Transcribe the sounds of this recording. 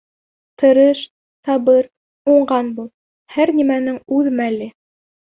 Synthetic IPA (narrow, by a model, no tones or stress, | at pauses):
t̪ɤ̆ɾɤʃ | sɑβɤɾ | uɴɢɑnbulˠ | hæɾnimænɘŋʉðmælɘ